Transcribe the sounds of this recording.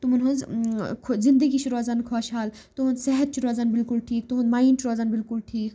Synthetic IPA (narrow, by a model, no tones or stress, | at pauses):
t̪umunɦɐnzkʰzɪ̃nd̪əɡit͡ʃʰuɾoːzaːnkʰɔːʃɦaːl | t̪umɐ̃nzsɛɦət̪̚t͡ʃʰuɾoːzaːnbɪlkʊlʈʰiːk̚t̪umɦɐ̃nmaːint͡ʃʰuɾoːzaːnbɪlkʊlʈʰiːk